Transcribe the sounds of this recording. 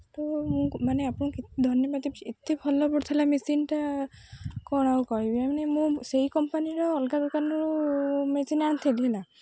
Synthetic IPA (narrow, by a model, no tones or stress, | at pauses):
t̪ɔmũmaneapuɽ̃kit̪d̪ʱɔnjɔbad̪ʱiet̪ibʱɔlɔbɔɽt̪ʰilamisinʈa | kɔɽ̃awkɔɹibiamanemũseikɔmpaniɾɔːlkad̪ɔkanuumet͡ʃinañt̪ʰelina